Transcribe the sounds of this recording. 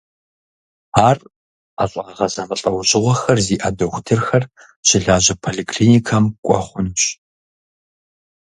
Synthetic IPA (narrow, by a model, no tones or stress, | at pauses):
aːr | aɕʼaːʁɐzɐmɨɬʼɐwɕʼɪʁʷɔxɐrziːʔɐdɐxʷtʰɨrxɐr | ɕɪɮaːʑɐpʰoɮiːkʰɬiːnikʰɐmkʷʼɔχʷʊnɕ